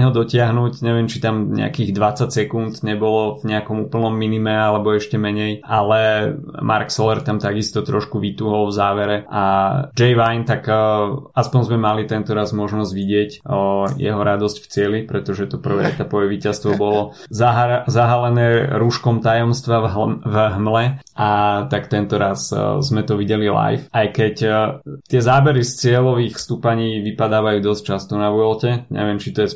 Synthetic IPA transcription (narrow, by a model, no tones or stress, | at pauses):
ɦɔd̪ɔcɪaɦnuːcɲɛʋɪɛmt͡ʃit̪amɲɛ̰a̰kiɣd̪ʋat͡sacsɛkunt̪ɲɛbɔlɔvɲɛakɔmuːpl̩ˠnɔmːinimɛalɛbɔɛʃcɛmɛɲɛjʔalɛmʔa̰ɾksɔlɛɾt̪amt̪aɡist̪ɔt̪ɾɔʃkuʋit̪uːɦɔlvzaːʋɛɾɛʔad͡ʒɛjʋajnt̪ak | aspɔɲzmɛmalit̪ɛnt̪ɔɾazmɔʒnɔzɟʋiɟɪɛcjɛ̰ɦɔɾad̪ɔscft͡sɪɛlipɾɛt̪ɔʒɛt̪ɔpr̩ʋɛːɛ̰t̪apɔʋɛʋiːcast̪ʋɔbɔlɔ | zaɦzaɦalɛnɛːɾuʃkɔmt̪ajɔmst̪ʋaɦvɦmlɛʔat̪akt̪ɛnt̪ɔɾaszmɛt̪ɔʋiɟɛlila̰jfajkɛct̪ɪɛzaːbɛɾist͡sɪɛlɔʋiːxfst̪upaɲiːʋipad̪aːʋajuːd̪ɔsc̚t͡ʃast̪ɔnaʋʊɔlcɛɲɛ̰ʋɪɛmt͡ʃit̪ɔjɛs